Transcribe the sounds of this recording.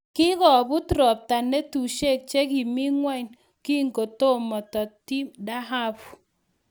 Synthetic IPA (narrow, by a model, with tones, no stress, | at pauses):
kɪ˦kɔ˨bu˦tɾɔ˨p̚ta˨ne˦tu˨ʃe˦k̚t͡ʃe˦k̬i˨mi˦ŋwa˦n | ki˦ŋɡo˨to˦mɔ˨tɔ˨ti˦mda˦ɦa˦p